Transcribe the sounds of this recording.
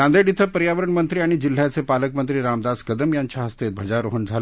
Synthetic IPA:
ãnd̪eɖit̪ʰəpəɾjaʋəɾəɳmənt̪ɾiaɽ̃id͡ʑil̤ːjat͡sepaləkmənt̪ɾiːɾamd̪askəd̪əmjaɲt͡ɕjaɦəst̪et̪̚bʱəd͡ʑaɾoɦəɳd͡zʱal

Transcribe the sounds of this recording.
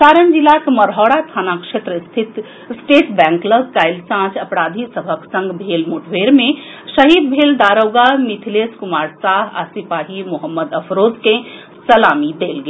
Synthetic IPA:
saɾənd͡ʒilakməɾɦɔːɽat̪ʰaːnakʂet̪ɾəst̪ʰit̪ | sʈeʈbɛ̃ŋkləɡkajlsãd͡ʒʰəpɾaːd̪ʱisəbʱəksə̃ŋɡbʱelmuʈʰʋeɾmẽ | səɦid̪̚bʱeːld̪aɾəwɡamit̪ʰileskumaːɾsaːɦa̰sipaːɦimuɦəmːəd̪əpʰɾoːzkẽ | səlamid̪elɡe

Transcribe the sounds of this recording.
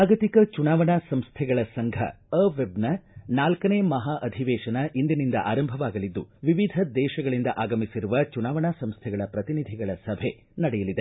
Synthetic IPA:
aːɡɐt̪ikɐt͡ʃunaːʋɐɳaːsɐmst̪ʰɛɡɐɭɐsɐŋɡʱɐ̰ | ɐːʋebnɐnaːlkɐneːmɐɦaːʔɐd̪ʱiʋɛːʃɐnɐʔind̪inind̪ɐ̰ʔaːɾɐmbʱɐʋaːɡɐlid̪ːuʋiʋid̪ʱɐd̪ɛːʃɐɡɐɭind̪ɐʔaːɡɐmisiɾuʋɐt͡ʃunaːʋɐɳaːsɐmst̪ʰɛɡɐɭɐpɾɐt̪inid̪ʱiɡɐɭɐsɐbʱe | nɐɽɛjɐlid̪e

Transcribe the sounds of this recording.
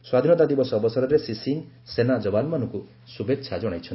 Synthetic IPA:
swad̪ʱinɔt̪ad̪ibɔsɔːbɔsɔɾɔɾesisin | senad͡ʒɔbanɔmanɔŋku | subetːʃʰad͡ʒɔɽ̃ajt͡ʃʰɔn

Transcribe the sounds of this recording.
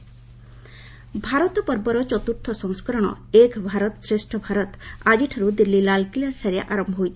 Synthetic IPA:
bʱaɾɔt̪ɔpɔɾbɔɾɔt͡ʃɔt̪uɾt̪ʰɔsɔŋskɔɾɔɽ̃ɔ̰ | ekbʱaɾɔt̪ɔsɾesʈʰɔbʱaɾɔt̪ad͡ʒiʈʰaɾud̪ilːilalkilaɾsʰaɾeʔaɾɔmbʱɔɦojt̪ʰi̥

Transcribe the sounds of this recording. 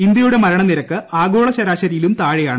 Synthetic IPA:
ind̪jɐjuɽe̞mɐɾɐɳɐniɾɐkːɨaːɡo̞ːɭɐɕɐɾaːɕɐɾijilumt̪aːɻijaːɳɨ

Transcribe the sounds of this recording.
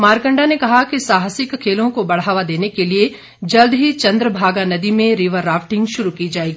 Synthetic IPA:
maːɾkə̃ɳɖanekɐɦakisaːɦəsɪkʰːeːlõkobɐɽ̤aːʋad̪eːnekelie | d͡ʒɐld̪ɦit͡ʃɐ̃nd̪ɾəbʱaːɡanɐd̪imẽɾiʋəɾːaːfʈɪ̃ŋɡʃʊɾukid͡ʒaːeːɡiː

